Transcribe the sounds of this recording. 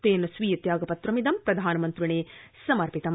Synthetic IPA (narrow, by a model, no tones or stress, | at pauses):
peːnɐsʋiːɐt̪jaːɡɐpɐt̪ɾɐmid̪ɐmpɾɐd̪ʱaːnɐmɐnt̪ɾiɳeːsɐmɐɾpit̪ɐm